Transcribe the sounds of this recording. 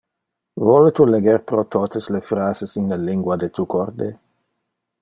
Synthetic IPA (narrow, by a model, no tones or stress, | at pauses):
vɔlet̪uleɡeɾpɾot̪ot̪eslefɾaːzesinleliŋɡwad̪et̪ukʰoɾd̪e